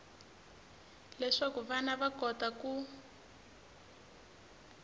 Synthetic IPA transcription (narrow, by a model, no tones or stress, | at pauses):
lɛʂakuβanaβakɔtaku